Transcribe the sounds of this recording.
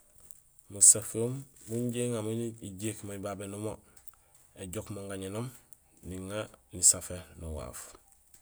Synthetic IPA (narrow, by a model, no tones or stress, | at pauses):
musafoːmbuɲɟeŋaminiɟeːkmaibabenumo | eɟokmoŋɡaɲenom | niŋanisafenuwa̰ːf